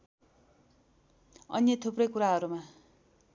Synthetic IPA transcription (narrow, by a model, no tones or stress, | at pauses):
ʌ̰njʌt̪ʰuprʌjkuɾaɦʌɾuma